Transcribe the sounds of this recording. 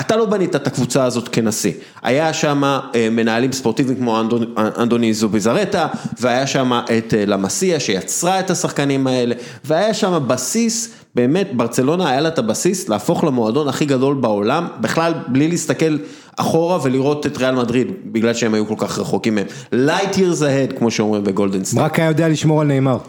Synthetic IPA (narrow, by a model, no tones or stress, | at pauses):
atalo̞banit̪aetakvut͡saːzo̞tke̞nasḭ | ʔa̰jaʃamaeme̞naːlimspo̞ʁt̪ivimkmoaoʔa̰nd̪onizobizaʁe̞taveajaʃamaʔetlamasiaʃe̞jat͡sʁaethasaχkanimae̞le̞ | veajaʃamabasis | be̞ːme̞tbaʁt͡se̞lo̞naːjalaetabasislaːfo̞χlemo̞ado̞naχiɡado̞lbao̞lambiχlalblilist̪ake̞l | ʔa̰χo̞ʁave̞liʁo̞te̞tʁealmadʁidbiɡlalʃee̞majuko̞lkaχʁeχo̞kimːem | lajtiʁzahe̞dkmo̞ʃeo̞mʁimbe̞ɡo̞ldensʁakajajod̪ealiʃmo̞ʁalneːmaʁ